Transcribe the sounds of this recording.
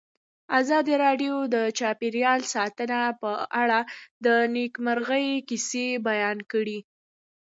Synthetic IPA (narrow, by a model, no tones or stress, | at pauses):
azɑd̪iɾɑɖjod̪ət͡ʃɑpiɾjɑlsɑt̪ənapəʔaɽad̪ənekmaɾɣəjkisebajɑnkəɽi